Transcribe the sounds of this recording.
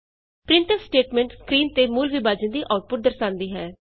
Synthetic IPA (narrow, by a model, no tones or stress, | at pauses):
pɾɪɳʈəssʈeːʈmɛ̃ːɳʈskɾiːnt̪eːmuːlʋɪbaːd͡ʒə̃nd̪iːʔaːʈ̚pʊʈ̚d̪əɾsãːnd̪iːɦɛː